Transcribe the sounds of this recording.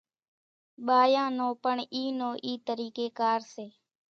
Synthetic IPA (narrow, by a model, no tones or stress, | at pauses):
ɓaːjãːnõːpəɳiːnoːʔiːt̪əɾiːkeːkaːɾseː